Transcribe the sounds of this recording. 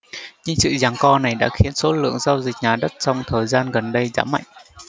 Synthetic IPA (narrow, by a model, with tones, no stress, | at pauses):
ɲɨ˧ŋsɨ̰˧˨zaː˨˩ŋkɔ˧na˨˩jɗa̰ː˧˥xi˨˦ənso˨˦lɨ̰˧˨əŋzaː˧wzï˨˩k̟̚ɲaː˨˩ɗə˦˥t̚t͡ɕɔ˧wŋ͡mt̪ʰəː˨˩jzaː˧nɣə˨˩nɗə˧jza̰ː˧˥ma̰˧˨jŋʔ